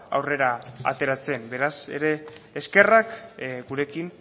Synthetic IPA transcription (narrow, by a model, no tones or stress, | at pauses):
a̰wre̞ɾaa̰t̪e̞ɾat͡se̞mbe̞ɾase̞̰ɾe̞ːske̞rakɡuɾe̞kin